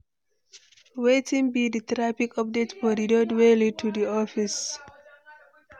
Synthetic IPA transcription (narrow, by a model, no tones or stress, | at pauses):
wetĩŋbidət̪ɾapikɔp̚detfɔdidodwelitʰudiɔfis